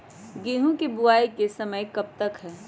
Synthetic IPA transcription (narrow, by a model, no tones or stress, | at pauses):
ɡeːɦũkibʊaːikesɐməjkɐb̚t̪əkɦɛː